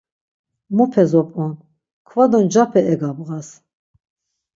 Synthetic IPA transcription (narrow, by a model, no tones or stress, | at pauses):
mupʰɛzɔpʼɔn | kʰvad̪ɔnd͡ʒapʰɛɛɡabɣas